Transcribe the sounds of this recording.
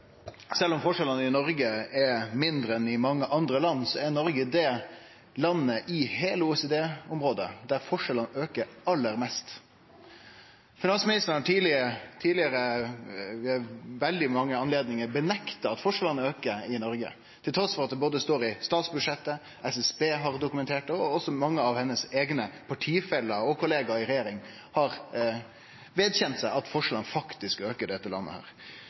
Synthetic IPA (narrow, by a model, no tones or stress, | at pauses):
sɛlːɔmfɔʂɛlənəɪnɔɾɡəɛmɪnd̪ɾəɛnɪmɑŋːəʔɑnd̪ɾəlɑnːsɔɛɾnɔɾɡəd̪ɛ | lɑnːəʔɪheːləuɛseːd̪eːʊmɾoːd̪ə̰d̪æɾfɔʂɛlənøːkəɾɑlːəɾmɛst̪ | fɪnɑnsmɪnɪst̪ən̩hɑʈʰiːlɪət̪ʰiːdlɪəɾə | ʋɛld̪ɪmɑŋːəɑnleːd̪nɪŋəɾbənɛkt̪ɑɑt̪fɔʂəlɑnːəøːkəɪnɔɾɡə̰ | t̪ʰɪlt̪ʰɾɔsfɔɾɑt̪̚d̪ɛboːd̪əst̪oːɾɪst̪ɑːt̪sbʉd̪ʂɛt̪ːə | ʔɛsɛsbeːɦɑɾd̪ʊkʉmɛnt̪ʰeːʈəɔɔsːɔmɑŋːəɑʋhɛnːəseːɡnəpʰɑʈʰiːfɛlːɑɔkʊleːɡɑɪɾɛjeːɾɪŋ | hɑɾ | ʋeːd̪çɛnt̪sæɪʔɑt̪fɔʂlɑnəfɑkt̪ɪskøːkəɖɛt̪ːəlɑ̰nːə̰hæ̰ːɾ